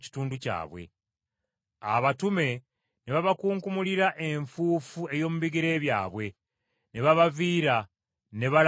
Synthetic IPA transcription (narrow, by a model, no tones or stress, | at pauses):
ci̥tuːnduca̰ːβwe̞̰ | aβatume̞ | neβaβakuːŋkumuliɾaʔe̞ɱfuːfue̞jo̞ːmuβiɡiɾe̞ːβja̰ːβwe̞ | ne̞βaβaviːɾa | ne̞βal